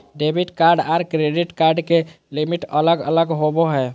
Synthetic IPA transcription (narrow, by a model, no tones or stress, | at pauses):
ɖebʱiʈkaɾɖaɾkɾeɖiʈkaɾɖke | limiʈələɡə̰ləɡɦoboɦɛ